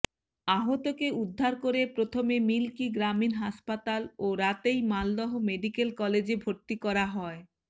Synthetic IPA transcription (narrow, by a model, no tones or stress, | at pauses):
aɦot̪okeud̪ʱːaɾkoɾepɾot̪ʰomemilkiɡɾaminɦaspat̪aloɾat̪ejmald̪ɔɦomeɖikelkɔled͡ʑebʱoɾt̪ikɔɾaɦɔe